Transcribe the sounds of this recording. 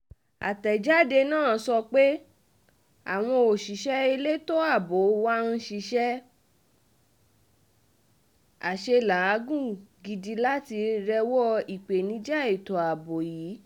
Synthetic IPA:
a̰˨tɛ˨d͡ʒa˦de˧nãː˦˨˦sɔ˧k͡pe˦ | a̰˨w̃ɔ̃˧o˨ʃi˨ʃɛ˦e˧le˦to˦a˦˨bo˨˦wa˦n̩˦ʃi˧ʃɛ˦ | a˨ʃe˧la˨˦a˨˦ɡũ˦˨ɡi˧di˧la˦ti˧ɾɛ˧wɔ˦i˨k͡pe˨nĩ˨˦d͡ʒa˦˨e˨tɔ˨a˨bo˨jiː˨˦

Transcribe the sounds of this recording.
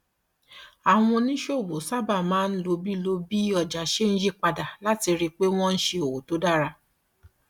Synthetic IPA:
a˨w̃ɔ̃˧nĩ˦ʃo˦˨bo˨sa˦ba˦˨mãː˨˦n̩˦lo˧bi˦lo˧bi˦ɔ˧˨d͡ʒa˨ʃe˦n̩˦d͡ʒi˦k͡pa˧da˨la˦ti˧ɾi˧k͡pe˦w̃ɔ̃˦n̩˦ʃe˧o˨wo˨to˨˦da˦˨ɾa˧

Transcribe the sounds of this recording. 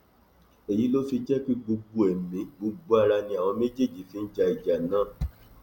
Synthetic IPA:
e˨ji˨˦lo˦fi˧d͡ʒɛ˦k͡pi˦ɡ͡bo˧ɡ͡bo˧e˨mĩ˨˦ɡ͡bo˧ɡ͡bo˧˦a˦˧ɾa˧nĩ˧˦a˨w̃ɔ̃˧me˦d͡ʒe˦˨d͡ʒi˨˦fi˨˦n̩˦d͡ʒa˧i˨d͡ʒa˨nãː˦˨

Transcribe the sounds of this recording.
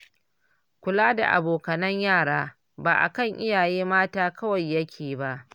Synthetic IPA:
kʷʊ˨laː˦da̰˨ʔa̰˨boː˨kɐ˨nɐ˦ɲjaː˦˨ɽaː˦ | baː˨ʔa̰˨kɐ˦˨ŋʔɪ˦jaː˨jeː˦maː˦taː˦kɐ˦wɐ˨jːɐ˦kʲʰeː˨ba˦ʔ

